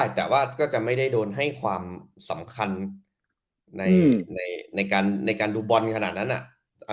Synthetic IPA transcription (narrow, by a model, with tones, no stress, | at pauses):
a˥˩t̪ɛː˨˩waː˥˩kɔː˥˩t͡ɕa˨˩ma˥˩jda˥˩jdoː˧nɦa˥˩jkʰwaː˧m | sa˩˦mkʰa˧n | na˧jna˧jna˧jkaː˧nːa˧jkaː˧nduː˧bɔ˧nkʰa˧naː˨˩t̪̚na˦˥nʔa̰˨˩˧